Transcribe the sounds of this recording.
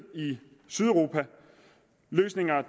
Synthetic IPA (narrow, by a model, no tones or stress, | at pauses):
i | syðˠəʁo̝ːpʰæ | løːsne̝ŋɐ